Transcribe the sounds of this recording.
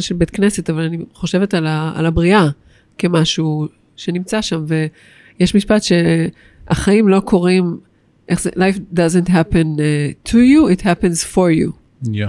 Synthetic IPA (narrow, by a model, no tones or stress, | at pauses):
nʃelbetkne̞setavalaniχo̞ʃe̞vetala̰ːlabʁia | kemaʃu | ʃenimt͡saʃamve̞ | jeʃmiʃpatʃe̞ | aχaimlo̞kʰo̞ʁim | ʔeχzelajfdazəntɦæpẽntʰujuithæpẽnz̥foɹjṵ